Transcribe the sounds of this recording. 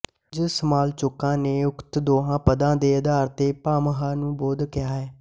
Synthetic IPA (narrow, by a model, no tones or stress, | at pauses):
d͡ʒɪsəmaːlt͡ʃʊkːãːneːʊkt̪d̪oːɦãːpəd̪ãːd̪eːəd̪aːɾt̪eːpaːməɦaːnũːboːd̪kɪjaːɦɛː